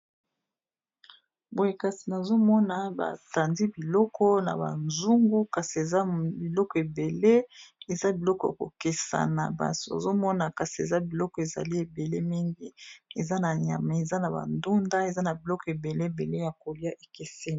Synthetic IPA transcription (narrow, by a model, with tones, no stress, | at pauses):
bo˨je˨ka˨si˨na˨zo˦mɔ˦na˨ba̰˨ta˨ndi˦bi˨lɔ˦kʰɔ˦na̰˨ba̰˨nzu˦ŋɡu˦ka˨si˨e˨za˦bi˨lɔ˦kɔ˨e˨be˨le˦e˨za˦bi˨lɔ˦kɔ˦ja̰˨ko̰˨ke˨sa̰˨na˨ba̰˦so˨a̰˨zo˦mɔ˦na˨ka˨si˨e˨za˦bi˨lɔ˦kɔ˨e˨za̰˨li˦e˨be˨le˦mi˦ŋɡi˦e˨za˦na˨ɲa̰˨ma˨e˨za˦na˨ba̰˨ndu˦nda˦e˨za˦na˨bi˨lɔ˦kɔ˨e˨be˨le˦e˨be˨le˦ja˨ko˨lja˦ʔe˨ke˦se˦˨